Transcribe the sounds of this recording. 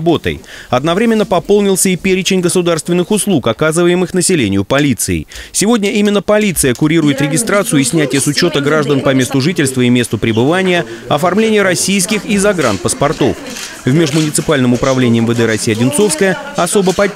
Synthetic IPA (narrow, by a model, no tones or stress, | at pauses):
bo̞t̪ə̰jɐd̪nɐvɾʲemʲɪnːəpɐpo̞lˠnʲɪlˠsʲəipʲeɾʲɪt͡ɕɪnʲɡəsʊd̪arst̪vʲɪnːɨxʊslˠukɐkazɨvəjɪmɨxnəsʲɪlʲenʲɪjʊpɐlʲit̪sɨɪ̰sʲɪvo̞dʲnʲəʔimʲɪnːəpɐlʲit̪sɨjəkʊɾʲiɾʊjɪt̪ɾʲɪɡʲɪst̪ɾat̪sɨjʊisʲnʲætʲɪjəsʊt͡ɕo̞t̪əɡɾaʐd̪ənpɐmʲe̞st̪ʊʐɨtʲɪlʲst̪vəimʲe̞st̪ʊpɾʲɪbɨvanʲɪjə | ɐfɐrmlʲenʲɪjəɾɐsʲijskʲɪxizɐɡɾa̰nt̪̚pəspɐrt̪o̞̰f | vmʲe̞ʐmʊnʲɪt̪sɨpalʲnɨmʊpɾɐvlʲenʲɪjɪmvəd̪ɛɾɐsʲijɐdʲɪnt̪so̞fskəjə | ɐso̞bəpɐ